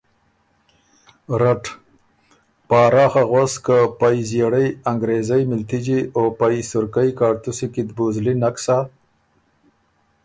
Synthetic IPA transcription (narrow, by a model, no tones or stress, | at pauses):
ɾaʈ | pɑːɾɑːxaɣwaskəpajzjeɽajaŋɡɾezajmɪlt̪id͡ʒiopajsʊɾkajkɑːɾt̪usikid̪buzlinaksa